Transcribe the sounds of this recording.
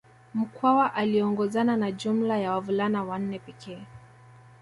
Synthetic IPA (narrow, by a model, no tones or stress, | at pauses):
m̩kʰwawaʔaliɔŋɡɔzananaʄum̩lajawavulanawan̩nɛpɛkɛː